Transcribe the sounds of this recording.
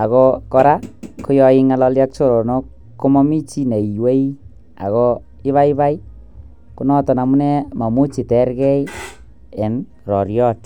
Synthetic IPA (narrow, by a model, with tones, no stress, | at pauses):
a˨ko˧kɔ˧ɾa˦ko˦jɔɪ˧ŋa˨lɔ˧lja˦k̚t͡ʃo˦ɾo˨no˦k | kːo˦mɔ˦mi˦t͡ʃi˦ne˨i˨we˦i | a̰˨ɣo˧ | ɪ˦βa˦i˦βa˦i˦ | ku˦nɔ˦tɔ˨na˨mu˦nɛ˦ma˨mu˦t͡ʃi˨tɛ˦ɾkɛ˦i | e˨n | rɔ̰˨ɾjɔ˦t